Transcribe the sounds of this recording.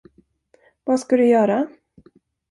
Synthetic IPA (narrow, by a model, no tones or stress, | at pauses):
vaskad̪ɵjœːɾa